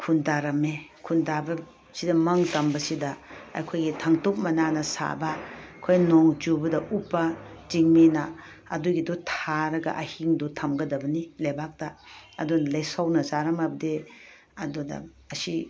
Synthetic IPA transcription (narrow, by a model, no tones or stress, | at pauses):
kʰundaɾɐmekʰundabɐ | sidɐmɐŋtɐmbɐsidɐ̰ːjkʰojɡitʰɐŋtok̚mɐnanɐsa̰bɐkʰojnɔŋd͡ʒubɐdɐʔupːɐ | ziŋmenɐ | ɐduɡidutʰaɾɐɡɐ̰ʔɐhiŋdutʰɐmɡɐdɐbɐnilajbak̚tɐːdunɐlɐjsawnɐzaɾɐmabɐde | ɐdudɐ̰ | ɐsi